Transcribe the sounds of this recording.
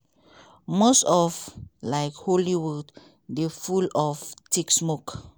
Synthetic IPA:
mosɔvlajkholiwud | defulɔftiksmok

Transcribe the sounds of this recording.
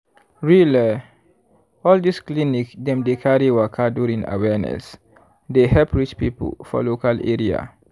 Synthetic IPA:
ɹilɛ | ɔldisklinikdɛ̃mdekʰaɹiwakʰaduɹĩŋa̰wɛnɛ̰s | deɦɛlpɹit͡ʃpipə̰lfɔ̰lokalḛɹia̰

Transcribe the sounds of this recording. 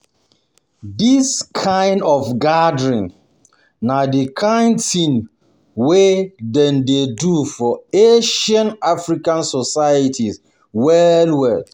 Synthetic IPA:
diskʰãɪ̃ndɔfɡadɹĩn | nadikʰãɪ̃ntĩn | wedɛ̃ndedufɔeʃãnafɹikãnsɔsajətʰis | wɛlwɛd

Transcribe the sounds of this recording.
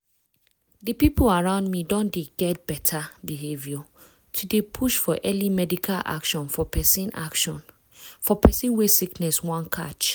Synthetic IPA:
dəpipʰolaɹãʊ̃ndmidɔ̃ndeɡɛt̚b̥ɛtʰabiɦevjɔ | tʰudepʰuʃfɔʔɛlimɛdikʰala̰kʃɔ̃nfɔpɛsĩna̰kʃɔ̃n | fɔpʰɛsĩnwesiknɛswãnkʰa̰t͡ʃ

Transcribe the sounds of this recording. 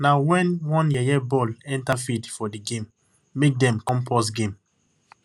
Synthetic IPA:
nawɛ̃nwɔ̃njɛjɛbɔlɛ̃ntafitfɔdiɡẽmː | ek̚dɛ̃mkɔ̃mpɔsɡẽm

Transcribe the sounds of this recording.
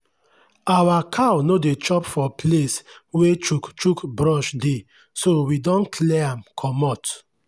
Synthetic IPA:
awakʰawnodet͡ʃɔpfɔpleswet͡ʃukt͡ʃukbɹɔʃde | sowidɔ̃nkʰlɛãmkʰɔmɔt

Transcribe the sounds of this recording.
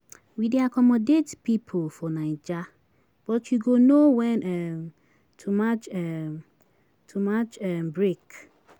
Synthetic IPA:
wideakɔmɔdetpipʰolfɔnaɪd͡ʒa | b̥ɔtjuɡonowɛnɛm | tʰumat͡ʃɛ | tʰumat͡ʃɛmbɹek

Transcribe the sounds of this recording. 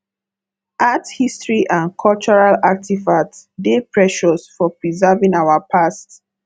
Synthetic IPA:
ʔathistɹiʔãnkʰɔlt͡ʃɔɹalak̚tivatdepɹɛʃɔsfɔpɹizɛvĩŋawapʰast

